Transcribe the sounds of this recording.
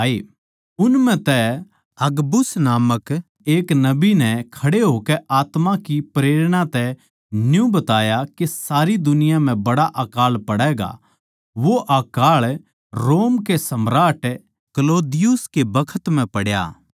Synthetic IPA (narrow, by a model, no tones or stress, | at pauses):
aːiː | ʊnmɛ̃t̪ɛ | ɐɡbʊsnaːmək | eːknɐbinɛkʰɐɽeɦoːkɛʔaːt̪makipɾeːɾɽ̃ãt̪ɛ | njũbɐt̪aːjakesaːɾid̪ʊnɪjãm̤ɛ̃bɐɽaʔaːkaːlpɐɽɛːɡa̰ | ʋoʔaːkaːɭ | ɾoːmkesɐmɾaːʈ | kɐloːd̪ɪjʊskebɐkʰət̪m̤ɛ̃pɐɽja̰ː